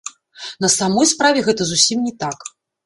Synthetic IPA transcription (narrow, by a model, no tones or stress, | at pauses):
nɐsamɔjspɾavʲɛɣɛt̪ɐzusʲimnʲɛt̪ak